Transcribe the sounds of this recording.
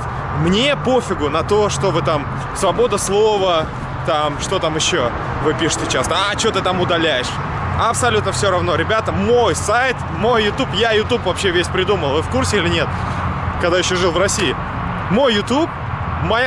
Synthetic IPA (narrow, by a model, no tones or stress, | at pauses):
mnʲe̞po̞fʲɪɡʊnɐt̪o̞ʂt̪ovɨt̪am | svɐbo̞d̪əslˠo̞və | t̪amʂt̪o̞t̪amɪɕːo | vɨpʲiʂɨ̥tʲɪt͡ɕest̪əɐt͡ɕot̪ɨt̪amʊd̪ɐlʲæjɪʂ | ɐpsɐlʲut̪nəfsʲo̞ɾɐvno̞ɾʲɪbʲat̪əmo̞jsajt̪ | mo̞jːʊt̪upjajʊt̪upvɐpɕːevʲesʲpɾʲɪd̪uməlˠvɨfkursʲɪilʲɪnʲe̞t̪̚ | kɐɡd̪ajɪɕːoʐɨlˠvrɐsʲiɪ | mo̞jːʊt̪up̚ | mɐj